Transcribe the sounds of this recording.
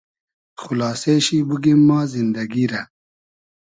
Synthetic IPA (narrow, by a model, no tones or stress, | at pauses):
xulaːseːɕibuɡimːaːzind̪ɐɡiɾɐ